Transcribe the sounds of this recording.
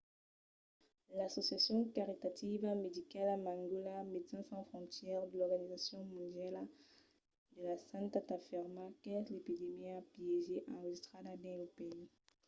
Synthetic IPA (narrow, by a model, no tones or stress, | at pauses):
lasosjasjɔ̃kaʁit̪at̪ivamed̪ikalamãŋɡulamet̪sɛ̃sɑ̃fχɔ̃nt̪jɛʁd̪əlɔʁɡanizasjɔ̃mɔ̃nd̪jal | d̪əlasãnt̪at̪afiʁmakɛzlepid̪emiaplieʒeʔãest̪χad̪ad̪ɛ̃lopei